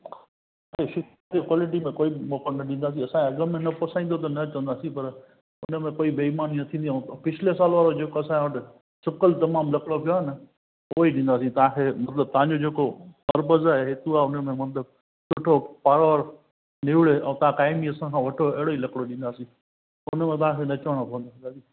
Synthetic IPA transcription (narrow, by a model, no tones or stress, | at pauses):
ãkeʃɪkat̪ekwaːlɪʈ̬imẽkoːimoːkənnɐɗĩːnd̪aːs̬ĩɐsãːkeɐɡəmẽnɐpɐsãĩnd̪ot̪̬ɐnɐt͡ɕɐ̃ʋə̃nd̪aːsĩpɐɾ | ʊnəmẽkoːibʱeːmaːninɐt̪ʰĩːnd̪iɛ̃ːpɪt͡ɕʰɪles̬aːlʋaːɾod͡ʑeːkoɐsãʋɐʈɪ | sʊkəlt̪ɐmaːmlɐkɽopijoɦenə | oːiɗĩːnd̪aːsĩt̪ɐʋ̤ãkʰemɐt̪ləb̚t̪ɐɦãɲd͡ʑod͡ʑeːkopɐɾbəzaɦeɦɪt̪uaːʊnmẽmɐt̪ləb̚ | sʊʈʰopaːɾaʋəɾ | nɪʋɪɽeɛ̃ːt̪ɐãkaːɪmiɐsãkʰãːʋɐʈʰoɛɦɪɽoilɐkɽoɗĩːnd̪aːsĩ | ʊnmẽt̪̬ɐʋãkʰenɐt͡ɕʋəɽ̃okʰõːnd̪õnd̪aːsĩ